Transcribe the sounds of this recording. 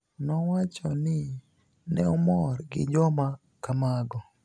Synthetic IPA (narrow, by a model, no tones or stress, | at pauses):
nɔwat͡ʃɔnɪ | nɛɔmɔrɡɪ̰d͡ʒɔma | kamaɡɔ